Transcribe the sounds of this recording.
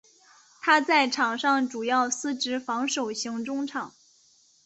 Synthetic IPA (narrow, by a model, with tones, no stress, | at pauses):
t̪ʰa˥t͡sa˥˩ɪʈ͡ʂʰɑ˨˩ŋʂɑ˥˩ŋʈ͡ʂu˨˩jɑ˥˩ʊsɹ̩˥ʈ͡ʂɻ̩˧˥fɑ˧˥ŋʂo˨˩ʊɕi˧˥ŋʈ͡ʂʊ˥ŋʈ͡ʂʰɑ˨˩˦ŋ